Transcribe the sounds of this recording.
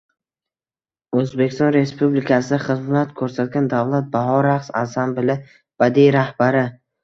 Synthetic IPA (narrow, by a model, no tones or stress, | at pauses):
ɵzbe̞kʲɪ̥st̪ɒnɾe̞spublɪkʲʰasɪd̪aχɨzmlat̪kʰɵɾsat̪̚ɡʲand̪avlat̪̚baɦɒɾaqsa̰sambɪlɪ | b̥ad̪ijɾahbaɾɪ